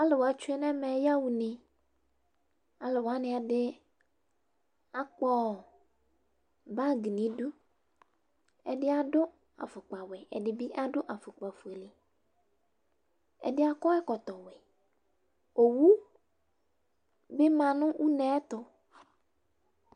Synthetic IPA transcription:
a˦lɪ˨wo˨a˨t͡ʃʊ˦ɛ˦nɛ̃˦mɛ̃˨˦ja˦wu˨nẽ˨ | a˨lɪ˨wo˨a˦nɪ̃˨a˨dɪ˦ | a˦k͡pɔ˦˨ | ba˦ɡi˨nĩ˨˦dʊ˦ | ɛ˨dɪ˦a˦dʊ˦ | a̰˨fʊ˨k͡pa˨wɛ˨ɛ̰˨dɪ˨bi˦ʔa˦dʊ˦ʔa˨fʊ˨k͡pa˨fu˨e˨li˨ | ɛ̰˨dɪ˦a˦kɔ˦ɛ˦kɔ˨t̪ɔ˨wɛ˨ | o˨wu˦ | be˦mã˨nʊ̃˦wʔu˦nɛ̃˦t̪ɔ˦

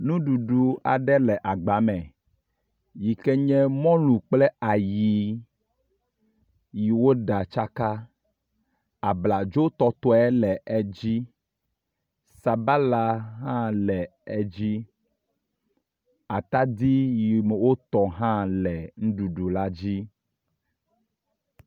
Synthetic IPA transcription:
nũ˦ɖu˨ɖu˨a˨ɖɛ˦lɛ˨ʔa˨ɡ͡ba˨˦mɛ˨ | ji˨kɛ˦ɲɛ̃˦mɔ̃˦lũ˨k͡plɛ˦a˨ji˨ | ji˨wo˦ɖa˨t͡ʃa˦ka˦ | a˨bla˨d͡ʒo˦t̪ɔ˨t̪ɔ˦ɛ˦lɛ˨ɛ˦d͡ʑi˦ | sa˨ba˦la˨ɦã˦lɛ˨ɛ˦d͡ʑi˦ | a˨t̪a˦d̪i˦ji˨mɛ˨wo˦t̪ɔ˨ɦã˦lɛ˨ŋũ˦ɖu˨ɖu˨la˦d͡ʑi˦

